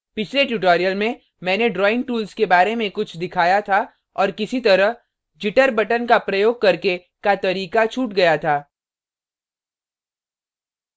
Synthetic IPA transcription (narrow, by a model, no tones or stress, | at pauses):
pɪt͡ʃʰleʈuʈ̬oːɾijəlmẽ | mɛ̃ːneɖɾɔːɪ̃ŋɡʈuːlskebaːɾemẽkʊt͡ʃʰd̪ɪkʰaːjat̪ʰa | ɔːɾkɪsit̪ɐɾəɦ | d͡ʒɪʈəɾbɐʈənkapɾɐjoːɡ̚kɐɾke | kat̪ɐɾiːkat͡ʃʰuːʈɡɐjat̪ʰaː